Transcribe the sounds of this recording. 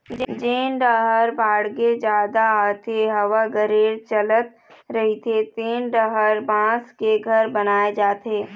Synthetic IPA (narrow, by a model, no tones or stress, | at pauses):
d͡ʒd͡ʒeːnɖəɦəɾbaːɽɡed͡ʒjaːd̪aːt̪ʰeɦɐʋaɡəɾeːɾt͡ʃɐlət̪̚ | ɾɐɦit̪ʰet̪eːnɖəɦəɾbãːskeɡʱɐɾbɐnaːed͡ʒaːt̪eː